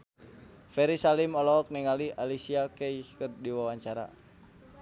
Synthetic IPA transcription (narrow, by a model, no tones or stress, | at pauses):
fɛɾisalimɔlɔːk̚niŋaliʔalisiakɛikərdiwawaɲt͡ʃaɾa̰